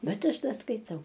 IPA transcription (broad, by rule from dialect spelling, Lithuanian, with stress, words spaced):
ˈbʲɛt ˈɐʃ ˈdɐ skɐɪˈtɐʊ